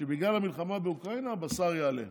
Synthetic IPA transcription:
ebiɡlalamilχamabeukʁainabasaʁjaːlḛ

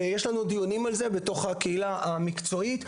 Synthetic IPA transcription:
jeʃlanud̪ijonimalze̞be̞to̞χhakeilaamikt͡so̞it

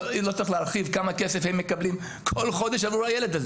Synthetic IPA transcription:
lot͡sɐʁixleaʁχivkamakesefhemːe̞kablim | kʰo̞lχo̞d̪eʃavʁuhajeled̪az

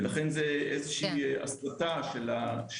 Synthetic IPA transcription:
laχenzeʔezeʃiːa̰slataʃelaʃ

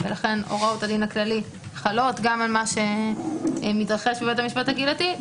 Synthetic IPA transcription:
velaχe̞no̰ʁautad̪inaklali | χalo̞t̪ɡamalmaʃe̞ | mit̪ʁaχe̞ʃbebet̪amiʃpathaɡilati

